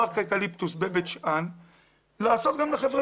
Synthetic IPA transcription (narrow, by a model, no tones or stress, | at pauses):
aʁkakalipt̪usbebet͡ʃan | laːso̞t̪ɡamleχevʁe